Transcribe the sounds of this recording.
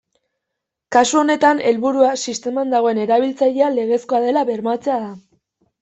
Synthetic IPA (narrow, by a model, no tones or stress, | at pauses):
kasuo̞ne̞t̪ane̞lβuɾuasist̪e̞mand̪aɣ̞o̞e̞ne̞ɾaβ̞ilt͡saʎe̞ale̞ɣ̞e̞sko̞aðe̞laβe̞ɾmat͡se̞aða